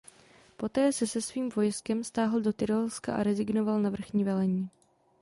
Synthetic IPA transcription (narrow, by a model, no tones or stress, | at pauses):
po̞t̪ɛːsɛsɛsviːmvo̞jskɛmst̪aːɦl̩do̞t̪ɪɾolska̰ʔa̰ɾɛzɪɡnovalnavr̩xɲiːvɛlɛɲiː